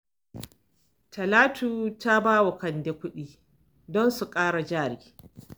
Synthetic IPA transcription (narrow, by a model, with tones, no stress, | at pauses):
tʰɐ˨laː˦tuː˦ta˦baː˦wa˨kɐ˨nde˦kʷʊ˦ɗiː˦ | dɔ˦nsu˨kʼaː˦ɽa˨d͡ʒaː˦˨ɾiː˨